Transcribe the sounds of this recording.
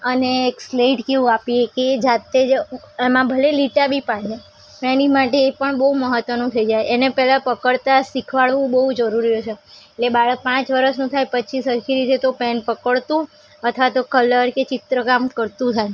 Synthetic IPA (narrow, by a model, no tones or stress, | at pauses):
əneːksleʈkeʋũapieked͡ʒat̪e | emãbʱəleliʈabʱipaɽ̤ja | pɛnimaʈeːpəɳbəɦuməɦət̪ʋənũt̪ʰəid͡ʒajenepɛlapəkəɭt̪asikʰʋaɭʋũbəɦud͡ʒəɾuɾijot͡ʃʰeeʈlebaɭək̚pãt͡ʃʋəɾəʃnũt̪ʰajpət͡ʃʰisəɾkʰiɾit̪et̪opɛnpəkəɭt̪ũ | ət̪ʰʋat̪okələɾket͡ʃɪt̪ɾəkamkəɾt̪ũt̪ʰaj